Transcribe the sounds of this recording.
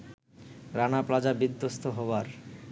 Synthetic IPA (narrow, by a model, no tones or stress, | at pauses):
ɾanaplad͡ʑabid̪ːost̪ʰoɦɔbaɾ